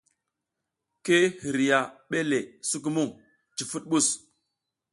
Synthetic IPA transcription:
ke˦hi˨ɾi˨ja˨ɓe˦le˨su˦k̬u˦mu˦˨ŋ | t͡ʃi˨fu˦t̚ɓu˦˨s

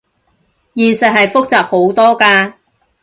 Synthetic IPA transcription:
jiː˨nsɐ˨t̚hɐ˨jfʊ˥k̚t͡saː˨p̚ho˨˥wt̪ɔː˥kaː˧

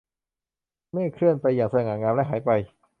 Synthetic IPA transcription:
maː˥˩jkʰɾɯ˥˩ənpa˧jːaː˨˩ŋsa˧dɛ˨˩ŋhaː˧˩ŋaː˧mlɛ˦˥˩ɦaː˩˦jpa˧j

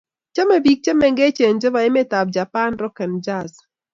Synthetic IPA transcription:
t͡ʃɛ˦mɛ˨bi˨k̚t͡ʃe˦mɛ˨ŋɡe˦t͡ʃe˨nd͡ʒo˦ba˨ɛ˦mɛ˦ta˨b̚d͡ʒa˨pa˦nɾɔ˦kɛ˨nd͡ʒa˦˨s

